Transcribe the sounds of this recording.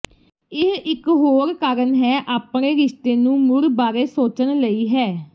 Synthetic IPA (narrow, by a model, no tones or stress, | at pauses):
ɪɦɪkɦoːɾkaːɾənɦɛːʔaːpɳeːɾɪʃt̪eːnũːmʊlbaːɾeːsoːt͡ʃənləiːɦɛː